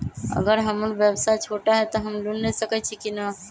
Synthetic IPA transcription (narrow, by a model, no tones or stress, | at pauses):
ə̰ɡəɾɦəmʊnʋjəbsat͡ʃʰoːʈaɦɛt̪oɦəmlunnəsəkət͡ʃʰikina